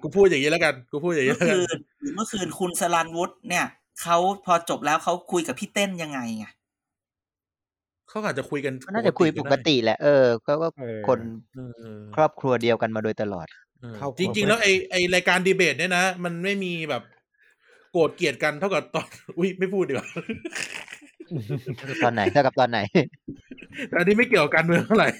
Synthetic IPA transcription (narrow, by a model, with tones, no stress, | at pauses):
kʰuː˧pʰu˥˩a˨ɲi˦˥la˦˥ka˧nkʰuː˧pʰuː˥˩ja˨˩i˦la˦˥kɯː˧˩n | ɯː˨˦mɯ˥˩kʰɯː˧˩nkʰu˧nsa˧la˧nwu˦˥t̪̚ni˥˩ɐ | kʰa˦˥wpʰɔː˧t͡ɕo˨˩p̚lɛː˦˥wxʰa˦˥wkʰu˧jka˨˩pʰiː˥˩t̪e˥˩nja˧ŋːa˧jŋa˧˩ | kʰa˦˥wʔaː˨˩t̪̚t͡ɕa˨˩kʰu˧jka˧n˥naː˥˩t͡ɕa˨˩kʰu˧jpo˨˩kːa˧t̪i˨˩lɛ̰˨˩ʔɤː˧kʰːwkɔː˥˩kʰo˧nː˧ | kʰɾɔː˥˩p̚kʰɾu˧ɐdi˧əwka˧nmaː˧doː˧jt̪a˧lɔ̰ː˨˩t̪̚ː | t͡ɕi˧ŋt͡ɕi˧ŋlɛː˦˥wʔa˧jʔa˧jɾaː˧jkaː˧ndiː˧beː˨˩t̪̚ni˥˩na˦˥ma˧nma˥˩jmiː˧bɛː˨˩p̚ | koː˨˩t̪̚ki˨˩ət̪̚ka˧nt̪ʰa˥˩wka˨˩p̚t̪ɔː˧˩nʔu˦˥˩jma˥˩jpʰuː˥˩t̪̚ʔiː˨˩wa˧˩˨ | t̪ʰa˥˩wka˨˩p̚t̪ɔː˧nːa˨˩˦t̪ʰa˥˩ka˨˩t̪ɔː˧nːa˨˩˦j | t̪ɛː˨˩ʔa˧nːiː˦˥ma˥˩jki˨˩əwka˨˩kaː˧nmɯ˧tŋt̪ʰa˥˩wɾa˨˩j